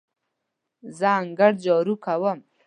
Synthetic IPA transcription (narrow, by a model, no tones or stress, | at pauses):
zaaŋɡaɽd͡ʒɔɾukawəm